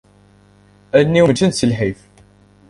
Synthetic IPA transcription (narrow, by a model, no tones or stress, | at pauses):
ænːiwmt̪ənsəlħif